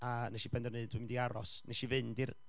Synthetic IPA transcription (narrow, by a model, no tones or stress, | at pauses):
anɛʃibɛndɔrnɨdwimɪndiaɾɔ̰sneʃivɨndir